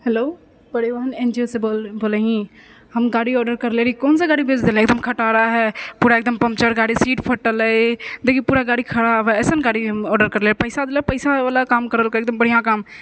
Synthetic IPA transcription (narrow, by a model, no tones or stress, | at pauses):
hɛloː | bɐɽeʋaːnẽːnd͡ʒioseboːleɦĩ | hɐmɡaːɽiɔːɾɖəɾkɐɾleːɾikoːnsaɡaːɽibʱeːd͡ʒd̪eːlẽːkd̪əmkʰɐʈaːɾaɦɛːpuːɾaek̚d̪əmpɐmt͡ʃəɾɡaːɽisiːʈpʰɐʈːələed̪ekipuːɾaɡaːɽikʰɐɽaʋɛːsənɡaːɽiɦmɔːɾɖəɾkɐɾleːɾipɐɪsad̪elapəɪsaaːlakaːmkəɾəlkəek̚d̪əmbəɽ̤ijãkaːm